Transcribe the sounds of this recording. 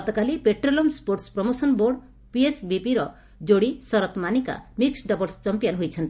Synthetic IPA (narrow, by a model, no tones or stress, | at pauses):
ɔt̪ɔkalipeʈɾolomspoɾʈspɾɔmosɔnboɾɖ | piesbipiɾɔ | d͡ʒoɽisɔɾɔt̪manika̰miksɖɔbɔlst͡ʃɔmpijɔnɦojt͡ʃʰɔnt̪i